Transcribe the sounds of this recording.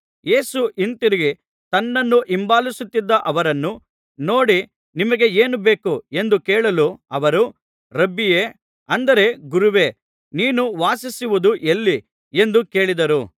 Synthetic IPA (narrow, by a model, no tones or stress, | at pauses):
je̞ːsuʔint̪iɾiɡi | t̪ɐnːɐnːuʔimbaːlisut̪ːid̪ːɐʔɐʋɐɾɐnːu | no̞ːɽi | nimɐɡe̞eːnube̞ːkue̞nd̪ukeːɭɐluɐʋɐɾu | ɾɐbːijeː | ɐnd̪ɐɾe̞ɡuɾuʋe̞ː | niːnuʋaːsisiʋud̪uʔelːi | e̞nd̪uke̞ːɭid̪ɐɾu